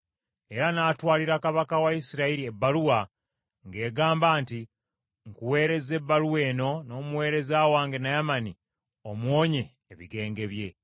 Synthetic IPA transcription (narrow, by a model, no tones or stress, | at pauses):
e̞ɾanaːtwaːliɾakaβakawaisiɾaiɾie̞bːaluwa | ŋɡe̞ːɡaːmbaːnti | ŋkuwe̞ːɾe̞ze̞bːaluwe̞ːno̞no̞ːmuwe̞ːɾe̞zaːwaːŋɡe̞najamani | omwo̞ːɲe̞ːβiɡe̞ːŋɡe̞βje̞